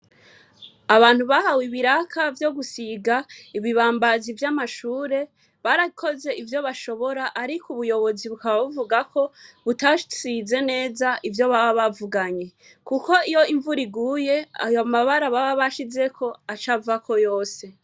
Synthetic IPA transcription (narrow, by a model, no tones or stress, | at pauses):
aβaːn̥huβahawiβiɾakʰavjo̞ɡusiɡaiβiβaːmbazivjamaʃuːɾe̞ | βaɾakʰo̞ze̞ivjo̞βaʃo̞βoɾaʔaɾikʰuβujo̞βo̞ziβukaβaβuvuɡakʰo̞βutasize̞ne̞ːzaʔivjo̞βaβaβavuɡaɲe̞ | kuko̞ijo̞iɱvuɾiɡuːje̞a̰jomaβaɾaβaβaβaʃize̞kʰo̞at͡ʃavuakʰo̞jo̞ːse̞